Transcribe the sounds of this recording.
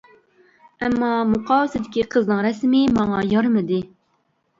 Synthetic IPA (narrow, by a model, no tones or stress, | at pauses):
ɛmːɑmuqʰɑːwɪsɪd̪ɪkʲiqʰəznɨŋɾɛsmɪmɑŋɑjɑɾmɨd̪ɪ